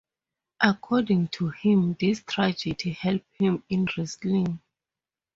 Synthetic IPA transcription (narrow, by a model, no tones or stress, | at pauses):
ʔakʰɔdĩŋtʰuhĩmdistʰɹad͡ʒɛdihɛlp̚hĩmĩnɹislĩŋ